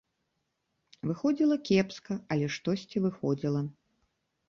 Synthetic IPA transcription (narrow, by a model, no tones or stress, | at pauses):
vɨxɔd͡zʲilˠɐkʲɛpskɐɐlʲɛʂt̪ɔsʲt͡sʲivɨxɔd͡zʲilˠɐ